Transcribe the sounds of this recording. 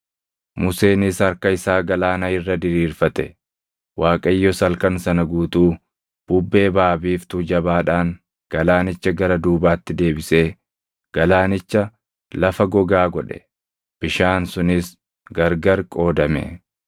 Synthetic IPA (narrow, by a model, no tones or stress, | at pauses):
mʊse̞ːnɪsɐɾkɐɪsaːɡɐlaːnɐɪrːɐd̪ɪɾiːɾfɐt̪ɛ | waːkʼɐjːɔsɐlkɐnsɐnɐɡuːt̪uː | b̥ʊbːe̞ːbaːbiːft̪uːd͡ʒɐbaːᶑaːŋ | ɡ̥ɐlaːnɪt͡ʃːɐɡɐɾɐd̪uːbaːt̪ːɪd̪e̞ːbɪseː | ɡ̥ɐlaːnɪt͡ʃːɐ | lɐfɐɡɔɡaːɡɔᶑɛ̥̰ | b̥ɪʃaːnsʊnɪs | ɡɐɾɡɐɾkʼo̞ːd̪ɐmɛ̰